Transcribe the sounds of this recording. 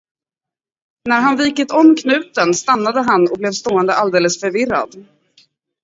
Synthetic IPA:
næɾɦanviːkət̪ɔmːkʰnʉ̟ːt̪ənst̪anːad̪əɦanɔblɛvst̪oːɛnd̪əʔald̪eːləsfœɾvɪra̰d̪

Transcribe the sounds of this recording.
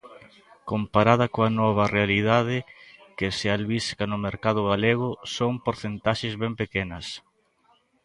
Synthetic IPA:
kompaɾaðɐkoɐnɔβ̞ɐrealiðað̞ɪkɪsealβiskɐnʊmeɾkað̞ʊɣaleɣ̞ʊsoŋpoɾθent̪aʃezβɛmpekenɐs

